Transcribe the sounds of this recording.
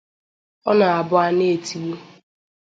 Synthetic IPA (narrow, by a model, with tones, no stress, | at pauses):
ɔ˦na˨a˨bʊ˦a˦ne˦˨e˨tʰi˨u˦